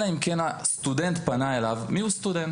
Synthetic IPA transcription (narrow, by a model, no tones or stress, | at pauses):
aimkɛnast̪ud̪ɛnt̪panaelavmiwst̪ud̪ɛn